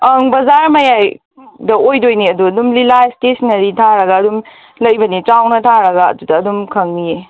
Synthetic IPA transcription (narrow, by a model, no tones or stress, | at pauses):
ɐŋbɐzaɾmɐjaj | dɐʔojdojniɐduɐdumlilajstesnɐɾitʰaɾɐɡaːdum | lɐjbɐnit͡ʃawnɐtʰaɾɐɡaɐ̰dudɐːdumkʰɐŋnije